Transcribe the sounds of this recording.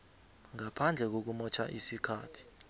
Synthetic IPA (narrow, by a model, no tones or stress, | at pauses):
ŋapʰand͡ɮʱɛk̬ok̬umɔt͡ʃʰa̰ʔisikʰa̰ːtʰi̥